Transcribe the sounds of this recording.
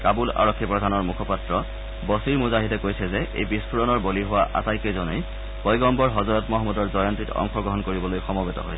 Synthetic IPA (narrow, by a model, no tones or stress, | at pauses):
kabula̰ɹɔkʰːipɹɔdʱanɔɹmukʰɔpatɹɔ | bɔsiɹmuzaɦitɛkojsɛzɛʔḛjbispʰuɹɔnɔɹboliɦʊwaʔa̰tajkejzɔnej | bɔjɡɔmbɔɹɦɔzɔɹɔtmɔɦɔmːɔdɔɹzɔjantɹitɔ̰ŋxɔɡɹɔɦɔnkoɹibɔlojxɔmɔbetɔ̰ɦojsɛ